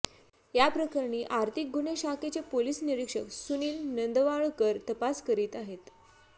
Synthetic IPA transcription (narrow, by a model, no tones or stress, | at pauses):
japɾəkəɾɳiːʔaɾt̪ʰik̚ɡuneɕaket͡sepolisniɾikʂəksuniːlnənd̪əʋaɭkəɾt̪əpaskəɾiːt̪aɦet̪